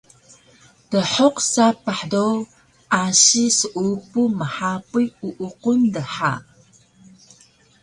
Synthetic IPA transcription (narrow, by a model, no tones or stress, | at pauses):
d̥əħoqsapəħdow | ʔaɕisəʔupuməħapuuʔuqundəħa̰